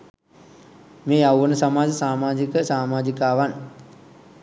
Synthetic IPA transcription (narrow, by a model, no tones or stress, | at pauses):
meːawʋənəsamaːd͡ʒəsaːmaːd͡ʒikəsaːmaːd͡ʒikaːʋan